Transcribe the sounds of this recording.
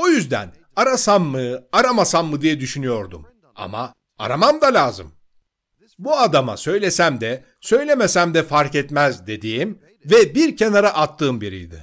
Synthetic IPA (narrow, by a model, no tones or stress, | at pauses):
ojyzd̪æ̰n | aɾasamːɯaɾamasamːɯd̪ijɛd̪yʃynyjo̞ɾd̪um | a̰ma̰ | a̰ɾamamd̪alʲaːzɯ̰m | buad̪ama̰sø̞jlʲesæmd̪ɛ | sø̞jlʲe̞mesæmd̪ɛfaɾkɛt̪mæzd̪e̞d̪iːim | vɛbiɾcʰe̞naɾaʔat̪ʰːɯːmbiɾḭjd̪ɪ̰